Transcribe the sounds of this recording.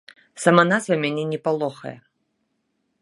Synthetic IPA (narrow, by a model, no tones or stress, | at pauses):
samanasɐmʲanʲɛnʲɛpalˠɔxɐ̰jɛ̰